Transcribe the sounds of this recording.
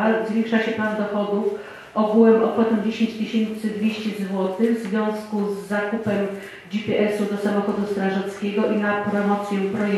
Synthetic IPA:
zvʲjẽŋkʂaɕɛp̪and̪ɔxɔd̪uf | ɔɡuwɛmɔkwɔt̪ɛ̃d͡ʑeɕeɲt͡ɕt̪ɘɕent̪sɨd̪vʲjeɕt͡ɕɛzvwɔt̪ɘɣvzvʲjɔ̃w̃skuzːakupɛm | d͡ʑipʲɛʔɛsud̪ɔsamɔxɔd̪ust̪ɾaʐɛt̪skʲeɡɔʔinapɾɔmɔt̪sʲjɛpɾɔj

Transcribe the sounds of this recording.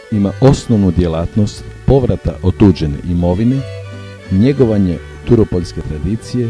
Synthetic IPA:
imaʔo̞snoʋnud̪je̞laːt̪nost̪po̞ʋɾat̪a̰ʔot̪uːd͡ʑenḛʔimo̞ʋine | ɲe̞ɡo̞ʋaɲe | t̪uɾopoʎʲske̞t̪ɾad̪iːt̪sije̞

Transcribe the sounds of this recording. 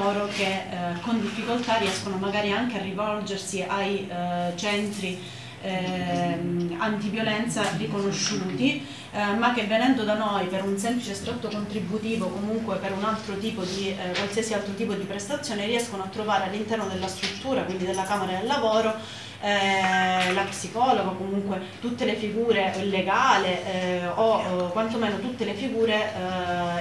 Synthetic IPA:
oːɾokekːond̪ifːikolt̪ariɛskonomaɡaːɾiaŋkearːivɔld͡ʒersiʔajt͡ʃɛnt̪ɾi | ant̪ivjolɛnt̪sarikonoʃːuːt̪i | mak̟ːevːenɛnd̪od̪anojpeɾunsɛmplit͡ʃest̪ɾot̪ːokont̪ɾibːut̪iːvokomuŋkwepeɾunalt̪ɾot̪iːpod̪ikwalsiasialt̪ɾot̪iːpod̪ipɾest̪at̪sːjoːneriɛskonoat̪ːɾovaːɾealːint̪ɛrnod̪elːast̪ɾut̪ːuːɾakwind̪id̪elːakaːmeɾad̪elːavoːɾo | lapsikɔːloɡakomuŋkwet̪ut̪ːelefiɡuːɾeoilːeɡaːleʔokːwant̪omeːnot̪ut̪ːelefiɡuːɾe

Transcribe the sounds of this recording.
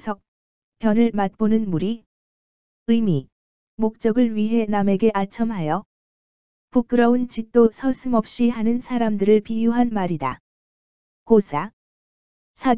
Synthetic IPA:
sʰʌk̚ | pjʌnɯɭmat̚p͈onɯnmuɾi | ɯmi | mok̚t͡ɕ͈ʌɡɯɭɥiɦe̞name̞ɡe̞ʔat͡ɕʰʌmɦajʌ | puk̚k͈ɯɾʌunt͡ɕit̚t͈osʰʌsʰɯmʌp̚ɕ͈ihanɯnsʰaɾamdɯɾɯɭpijuɦanmaɾida̰ | kosʰa | sʰa

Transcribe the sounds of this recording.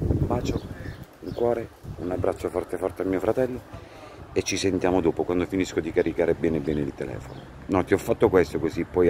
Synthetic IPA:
baːt͡ʃouŋkwɔːɾeunabːɾat͡ʃːofɔrt̪efɔrt̪eamːiːofɾat̪ɛlːo | et͡ʃːisent̪jaːmod̪oːpokwand̪ofiniskod̪ikaɾikaːɾebɛːnebːɛːneilt̪elɛ̰ːfo̰no̰ | nɔt̪ːiɔfːat̪ːokwest̪okozipːɔj

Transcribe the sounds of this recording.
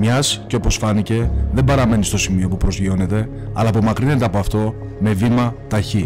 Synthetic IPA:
mɲɐsceo̞po̞sfɐnice̞ðembɐɾɐme̞nist̪o̞simio̞pupɾo̞zʝio̞ne̞t̪e̞ | ɐlɐːp̬o̞mɐkɾine̞t̪eɐpoɐft̪o̞ | me̞vimɐt̪ɐçi

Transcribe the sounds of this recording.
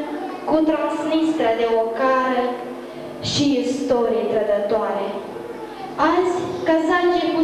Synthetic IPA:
kut̪ɾansnist̪ɾəd̪eokaɾe | ʃiːst̪o̞ɾijent̪ɾəd̪ət̪oaɾe | azʲkasad͡ʒepu

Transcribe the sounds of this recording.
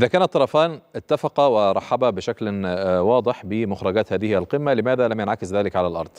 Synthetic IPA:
ʔʔɪðæːkaːnæt̪ˤːɑɾˤɑfaːnʔɪt̪ːafɑqɑwɪɾˤɑħːababɪʃaklwɑːd̪ˤɪħbɪmʊxɾˤɑɡaːt̪haːðɪhɪælqɪmːalɪmaːðalamjanʕakɪsðaːlɪkʕalalʔɑ̰ɾˤd̪̥ˤ

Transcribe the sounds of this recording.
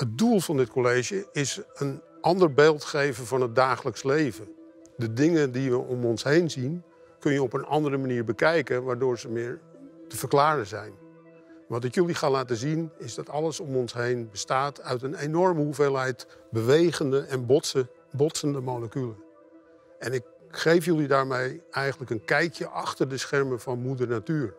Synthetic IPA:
hət̚dulˠvɑndɪt̚kʰolejʒəɪsən | ʔɑndərbeːlˠtχejvənvɑnɦəd̚daːχələkslejvə | dədɪŋədiʋəʔɔmɔnsɦejnzin | kɵnjəɔpənʔɑndəɾəmaniːɹbəkɛjkənʋaːɹdʊːɹzəmɪːɹtəv̥ərklaːrəzɛjn | ʋɑt̬ɪkjəliχaːlaːtəzinɪzdɑtɑləsɔmɔnsɦejnbəstaːtʰœɥtənenɔrməhuvelˠɦɛjtbəʋejɣəndəʔɛnbə | bɔtsəndəmowləkylə | ɛnɪk̚ | χejfjølidaːɹmejɛjχəntləkənkɛjkjəʔɑxtərdəsxɛrməfɑnmudərnatyːr

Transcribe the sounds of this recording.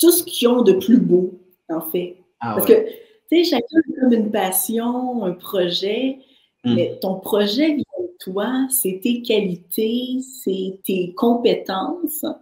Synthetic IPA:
t̪uskʲʰiɔ̃d̪əplybo | ɑ̃fɛ | paskə | t͡seʒakɛkɔmynpaːsjɔ̃ɛ̃ːpχɔʒɛ | mɛt̪ɔ̃pχɔʒɛviɛ̃t̪wasɛt̪ekʲalit̪ʰesɛt̪ekɔ̃pet̪ɑ̃s

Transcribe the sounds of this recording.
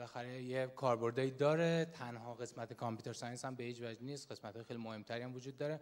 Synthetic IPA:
læxæɾejekʰɒːɾbo̞ɾd̪ɒːjiːd̪ɒːɾe̞t̪ʰænɦɒːɣe̞smæt̪ʰekʰɒmpjut̪ʰeɾsɒjenshæmbe̞hiːt͡ʃvæd͡ʒniːst̪ɢe̞smæt̪hɒjxelimohe̞mt̪ʰæɾiæmvod͡ʒuːd̪̚ːɒːɾe̞

